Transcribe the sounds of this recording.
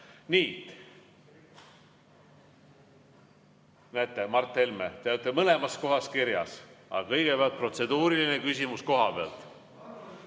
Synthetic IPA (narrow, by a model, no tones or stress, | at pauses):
niː | næt̪ˑːemɑrt̪ːˑelmet̪eyt̪ːˑemɤle̞mɑsko̞ɦɑskiɾjɑ̰sɑ̰ɑkɤjɡ̥e̞peɑlt̪̚pro̞t̪se̞d̪̥uːɾiline̞kysʲimusko̞ɦɑpeɑ̰lt̪ˑ